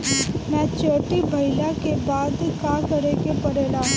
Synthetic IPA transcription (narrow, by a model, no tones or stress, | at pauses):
mɛ̃ːt͡ʃoːʈibʱɐɪlakebaːd̪kaːkɐɾeːɡepɐɾeːlaː